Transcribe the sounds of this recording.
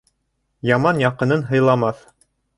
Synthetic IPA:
jɑmɑnjɑqɤ̆nɤnɦɤ̆jlˠɑmɑθ

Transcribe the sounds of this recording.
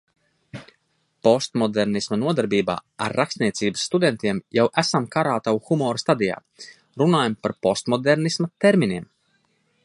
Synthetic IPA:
pɔst̪mɔd̪ɛɾnismanuɔd̪aɾbiːba̰ːa̰ɾːakst̪niɛsiːbəsːt̪ud̪ent̪ʲiɛmjawʔæsamkaɾaːt̪awuxumɔːɾst̪ad̪ija̰ː | ɾunaːjampaɾpɔst̪mɔd̪ɛɾnismat̪eɾmʲinʲiɛm

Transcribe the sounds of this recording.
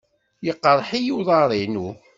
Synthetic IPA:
jəqːəɾˤħijiwðˤɑɾˤinu

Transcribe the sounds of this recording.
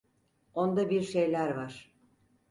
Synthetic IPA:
ond̪abiɾʃejlʲæɾvɑɾ̥

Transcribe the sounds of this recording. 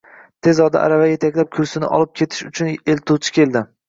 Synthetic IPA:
t̪ʰe̞zɒd̪a̰ʔa̰ɾavaje̞t̪ʰakʲlap̚kʲʰɵɾsɪnɪ̰ʔɒ̰lˠɪp̚kʲʰe̞t̪ʰɪ̥ʃʊt͡ʃʰʊne̞lt̪ʰuwt͡ʃʰɪ̥kʲʰe̞ld̪ɪ

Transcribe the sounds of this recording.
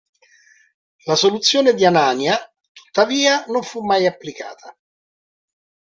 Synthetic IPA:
lasolut̪sːjoːned̪ianaːnja | t̪u̥t̪ːaviːanoɱfumːajapːlika̰ːt̪ʰa

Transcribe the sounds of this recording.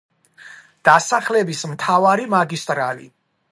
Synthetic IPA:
d̪̥asaχlɛbismt̪ʰavaɾimaɡist̪ʼɾalḭ

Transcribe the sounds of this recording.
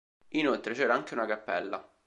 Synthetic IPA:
inolt̪ɾet͡ʃɛːɾaaŋk̟eunakapːɛ̰lːa̰

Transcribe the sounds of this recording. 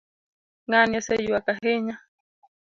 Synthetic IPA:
ŋaniosejuakaheɲa

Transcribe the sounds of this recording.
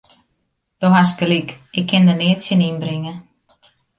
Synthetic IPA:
d̥oɦaskəlikɪkʰːɪndənɪːtsjəninbrɪŋə

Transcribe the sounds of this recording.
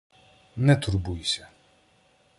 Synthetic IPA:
nɛt̪ʰuɾbuisa

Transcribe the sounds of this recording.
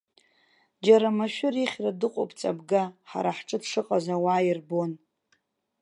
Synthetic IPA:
d͡ʒaɾamaʃᶣʊriχʲradɨqʷʼopʼʰt͡sʼa̰bɡaħa̰ɾaħʈ͡ʂʼɨdʂɨqʼazawaːjirbo̞n

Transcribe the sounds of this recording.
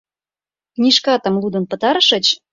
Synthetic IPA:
knʲiʃkɑt̪ə̆mlˠud̪ɤ̆npə̆t̪ɑɾəʃə̆t͡ɕ

